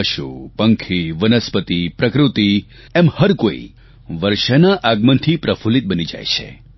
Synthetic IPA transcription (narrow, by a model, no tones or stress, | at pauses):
əʃṵpəŋkʰiʋənəspət̪ipɾəkɾut̪i | ɛmhəɾkoḭ | ʋəɾʃənaʔaɡmənt̪ʰipɾəfulit̪̚ɓənid͡ʒa̰jt͡ʃʰḛ